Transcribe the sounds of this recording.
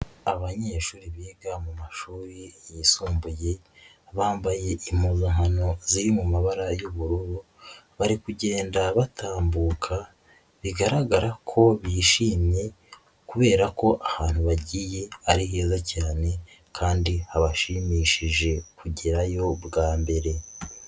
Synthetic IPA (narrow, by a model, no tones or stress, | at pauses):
aβaɲe̞ʃuːɾiβiːɡamumaʃuːɾijisuːmbuje̞ | βaːmbaje̞im̥uzoŋhano̞ziɾimumaβaɾajuβuɾuɾu | βaɾikuɟe̞ːndaβatʰaːmbuːkʰa | βiɡaɾaɡaɾakʰo̞βiːʃiːmɲe̞ | kuβe̞ːɾako̞ʔahaːn̥huβaɟije̞aɾiɦe̞ːzacaːne̞ | kʰaːndihaβaʃimiːʃiʒe̞kuɟiɾajo̞bɡaːmbe̞ɾe̞